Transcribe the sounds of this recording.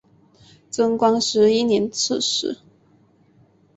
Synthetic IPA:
t͡sə˥ŋkwɑ˥ŋʂɻ̩˧˥i˥njɛ˧˥nt͡s̩ʰ˥˩ʂɻ̩̰˨˥˦

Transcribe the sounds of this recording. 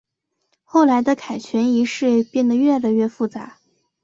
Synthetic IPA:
xo˥˩ʊla˧˥ɪd̪ə˧kʰa˨˩ɪt͡ɕʰɥɛ˧˥ni˧˥ʂɻ̩˥˧pjɛ˥˩nd̪ə˩ɥɛ˥˩la˧˩˧ɪɥɛ˥˧˩fu˥˩t͡sa̰˧˥

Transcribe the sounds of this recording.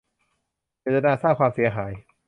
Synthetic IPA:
t͡ɕeː˨˩t̪̚ːa˧naː˧saː˥˩kʰwaː˧msi˩˦ɐɦaː˩˦j

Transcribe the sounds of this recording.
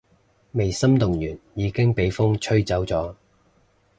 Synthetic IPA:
me˨˩jsɐ˥mt̪ʊ˨˩ŋjyː˨˩njiː˨˧kɪ˥ŋpe˨˥jfʊ˥ŋt͡ʃʰɵ˥ɥt͡sɐ˨˥wt͡sɔː˨˥

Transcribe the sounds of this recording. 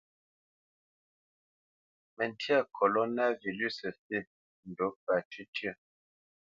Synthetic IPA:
mə˨n˨tʰja˦˨kʰo˨lo˦na˦vi˨ly˦˨sə˨fe˦˨ | n̩˨do˨˦pa˨ti˦tjə˦˨

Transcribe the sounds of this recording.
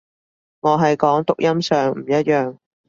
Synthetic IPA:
ŋɔː˨˧ɦɐ˨jkɔː˨˥ŋt̪ʊ˨k̚jɐ˥msœː˨ŋm̩˨˩jɐ˥t̚jœː˨ŋ

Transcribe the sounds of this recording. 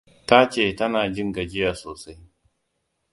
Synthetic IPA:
ta˦t͡ʃeː˦˨tɐ˦naː˨d͡ʒɪ˦ŋɡa˨d͡ʒɪ˦jaː˨soː˨sa˦j

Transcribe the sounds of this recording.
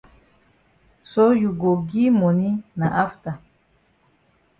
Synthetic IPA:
so˦ju˨ɡo˨ɡi˦mo˨ni˦na˨ʔa˦ft̪a˨

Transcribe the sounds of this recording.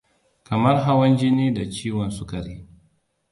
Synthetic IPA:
kɐ˨mɐ˦rɦa˦wɐ˦nd͡ʒɪ˦niː˦da˨t͡ʃiː˦wɔ˨nsʊ˦kɐ˨ɾi˦

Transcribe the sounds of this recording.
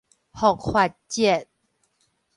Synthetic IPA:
hɔ˥˨kʰwa˥˧t͡ɕɛ˥˨n

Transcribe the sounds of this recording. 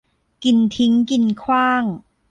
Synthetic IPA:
ki˨˩nt̪ʰi˦˥ŋki˨˩nkʰwaː˥˩ŋ

